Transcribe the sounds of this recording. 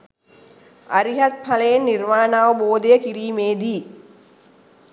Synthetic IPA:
ɐɾiɦɐt̪̚pʰɐlɐjenːirmaːnaːʋɐboːd̪ejɐkiɾiːmeːd̪iː

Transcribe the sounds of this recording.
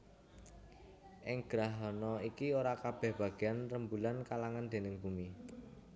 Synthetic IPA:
ʔɪŋɡ̥ɾaɦɔnɔikioɾakab̥ɛ̤hb̥a̤ɡ̥eanrəmbulankalaŋand̪̥e̤nɪŋb̥umi

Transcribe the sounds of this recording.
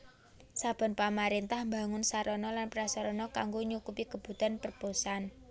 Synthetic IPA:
sab̥ɔ̤npamaɾint̪ahmbaŋʊnsaɾɔnɔlanpɾasɔɾɔnɔkaŋɡoɲukupikəb̥ṳd̪a̤npərposan

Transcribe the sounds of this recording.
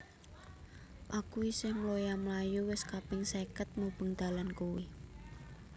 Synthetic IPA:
ʔakuisɪhmlojamlajuwɪskapɪŋsekət̪̚mob̥əŋd̪̥a̤lankuwi

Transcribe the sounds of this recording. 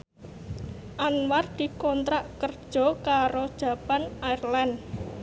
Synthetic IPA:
ʔanward̪̥i̤kɔnt̪ɾaʔkərd̥ʒ̥ɔ̤kaɾod̥ʒ̥ä̤panairlan

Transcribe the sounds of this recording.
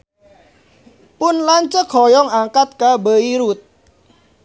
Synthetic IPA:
pʊnlaɲt͡ʃəkʰhɔjɔŋaŋkat̪̚kabəiɾut̪̚

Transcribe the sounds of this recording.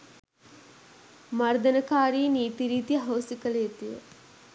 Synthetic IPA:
maɾd̪ɐnəkaːɾiːniːt̪iɾiːt̪ijəɦoːsikələet̪ijə̰

